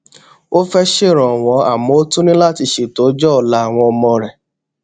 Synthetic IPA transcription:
o˦fɛ˦ʃe˦˨ɾ̃ɔ̃˨w̃ɔ̃˨˧a̰˨mɔ̃˨˦o˦tũ˦nĩ˦la˦˨ti˧ʃe˨to˨˦d͡ʒɔ˦ɔ˨la˨˦a˦˨w̃ɔ̃˧ɔ˧mɔ̃˧ɾɛ˨

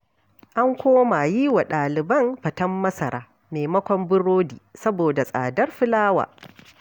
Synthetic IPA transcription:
ʔa˦ŋkʷoː˦ma˨ji˦wa˨ɗaː˨lɪ˨bɐ˦mɸɐ˨tɐ˦mːɐ˦sɐ˨ɾaː˦ | meː˨mɐ˦kʷɔ˨mbɪ˦ɽoː˦dḭː˨sɐ˦boː˨da˨sʼa̰ː˨dɐ˦rɸɪ˦laː˦wa̰ː˨

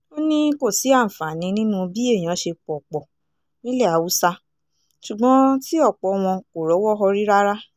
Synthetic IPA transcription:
o˦nĩ˦ko˦˨si˨˦ã˦˨fa˨nĩ˨˧˦nĩ˦nũ˦˧bi˦e˦˨j̃ã˨˦ʃe˧k͡pɔ˨k͡pɔ˨ | nĩ˦lɛ˦˨a˨˦wu˨˦sa˧ | ʃu˨ɡ͡bɔ̃˨˦ti˦ɔ˦˨k͡pɔ˨˧w̃ɔ̃˧ko˨ɾɔ˨˦wɔ˦ɦɔ˧ɾi˦ɾa˦ɾa˦

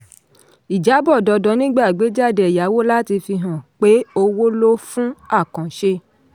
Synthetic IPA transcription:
i˨d͡ʒa˨˦bɔ˦˨dɔ˧dɔ˨˧˦nĩ˦ɡ͡ba˦˨ɡ͡be˨˦d͡ʒa˦˨de˨ja˨˦wo˦la˦ti˧fi˧ɦã˦˨k͡pe˦o˧wo˦lo˦fũ˦a˦˨kã˨ʃe˧

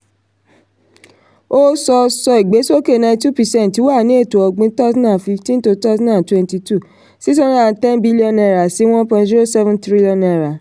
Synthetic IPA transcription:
o˦sɔ˧sɔ˧i˨ɡ͡be˨˦so˦ke˦˨nã˧˦tu˦pi˨sɛ̃˦˨nti˨˦wa˦˨nĩ˨˦e˦˨to˨ɔ˧ɡ͡bĩ˦ta˦zsɔ̃˦nã˨fi˧ftĩ˦nto˧ta˦zɔ̃˦nã˨n˨twɛ̃˦nti˧tu˦˨ | si˦t̬ɔ̃˦ɾ̃ã˦a˨˧tɛ̃˦nbi˦li˦ɔ̃˧nɛ˧˨ɾa˨si˨˦w̃ɔ̃˦pã˧zi˦ɾo˦˨sɛ˦vɛ̃˦ntɾi˦liɔ̃˧nɛ˨ɾa˨

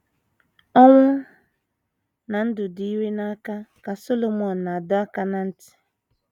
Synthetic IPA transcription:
ɔ˦ŋʷʊ˦ | na˨n̩˦dʊ˨di˦we˦na˦ka˦ka˨so˦lo˨mɔ˨n̩˨na˨dʊ˦a˦ka˦na˨n̩˦tɪ̥˨

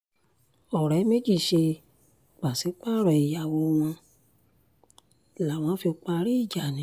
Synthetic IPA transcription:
ɔ˨ɾɛ˨˦me˦d͡ʒi˦˨ʃe˧ | k͡pa˨si˨˦k͡pa˦˨ɾɔ˨i˨ja˨wo˧w̃ɔ̃˧˨ | la˨w̃ɔ̃˧˦fi˧o˧k͡pa˧ɾi˦i˦˨d͡ʒa˨nĩ˨˦

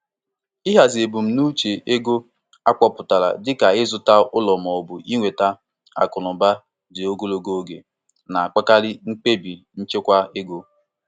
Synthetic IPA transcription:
ɪ˦ɦa˨ze˨bu˨m̩˨nu˦t͡ʃe˨ʔe˦ɡo˦ | a˦kɔ˦pʊ˨ta˨ɾa̰˨dɪ˦ka˨ɪ˦zʊ˨ta˦ʊ˦lɔ˨mɔ˨bʊ˨ʔi˦ŋʷe˨ta˦ | a̰˨kʊ˨nʊ˨ba˦ | dɪ˨o˦ɡo˦lo˨ɡo˦ɡḛ˨ | na˨a˨k͡pa˦ka˦ɾɪ˦ŋ̩˦k͡pe˦bi˨n̩˦t͡ʃe˦kʷa˦e˦ɡo˦

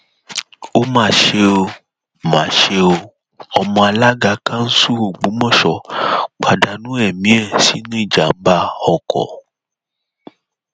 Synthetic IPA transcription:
o˦mãː˦˨ʃe˧o˧ | mã̰ː˨ʃe˧o˧ | ɔ˧mɔ̃˧a˧la˦ɡa˧˦kʰã˦n̩˦su˦o˨ɡ͡bũ˨˦mɔ̃˦˨ʃɔ˨k͡pa˧da˧nũ˦ɛ˦˨mĩ˨˦ɛ˦˨si˨˦nũ˦i˦˨d͡ʒa˨m̩˦ba˧ɔ˧kɔ̰˨

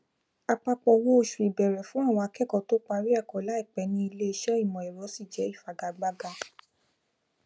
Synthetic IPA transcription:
a˧k͡pa˧k͡pɔ˧wõ˦o˧ʃu˨ɾi˨bɛ˨ɾɛ˨fũ˨˦a˦˨w̃ɔ̃˧a˧kɛ˦˨kɔ˨to˦k͡pa˧ɾi˦a˦˨kɔ˨˦la˨˦i˦˨k͡pɛ˨˦nĩ˧˦i˧le˦e˧ʃɛ˦i˦˨mɔ̃˨ɛ˨ɾɔ˨˦si˦˨d͡ʒɛ˨˦i˦˨fa˨ɡa˨ɡ͡ba˦ɡa˧

